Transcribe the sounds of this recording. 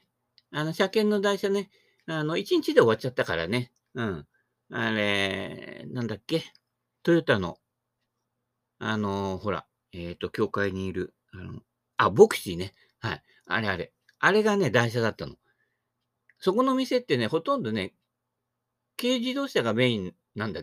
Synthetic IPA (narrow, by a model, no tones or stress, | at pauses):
ano̞ɕakẽ̞nːo̞d̪aiɕane̞ | ano̞it͡ɕiɲ̟it͡ɕid̪e̞o̞βat͡ɕat̪ːakaɾa̰ne̞ | ɯ̟̃ɴ | aɾe̞ | nãnd̪akːe̞ | t̪o̞jot̪ːano̞̰ | ano̞ho̞ɾa̰ | et̪ːo̞kʲo̞ːkaiɲ̟iːɾɯ̟ | ano | abo̞kɯ̟̥ɕine̞ | hai | a̰ɾe̞aɾe̞̰ | aɾe̞ɡane̞d̪aiɕ̬ad̪at̪ːano̞̰ | so̞ko̞no̞mʲise̞t̪ːe̞ne̞ho̞t̪õ̞nd̪o̞ne̞ | ke̞ːʑid̪o̞ːɕaɡamẽ̞ĩn | nãnd̪a